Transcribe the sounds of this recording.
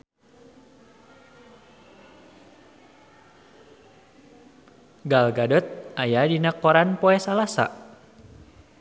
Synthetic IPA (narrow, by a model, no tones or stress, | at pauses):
ɡalɡadɔt̪̚ajadinakɔɾanpoɛsalasa̰